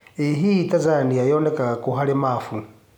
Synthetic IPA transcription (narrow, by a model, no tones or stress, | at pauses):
iɦitazaniajɔnɛkakuɦalɛmafu